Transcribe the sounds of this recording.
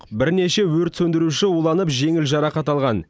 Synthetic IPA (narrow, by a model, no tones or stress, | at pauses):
qbɪɾne̞ʃe̞wɵɾt̪sɵnd̪ɪɾuʃɪulˠɑnəpʒe̞ŋɪlʒɑɾɑqɑt̪ɑlˠʁɑn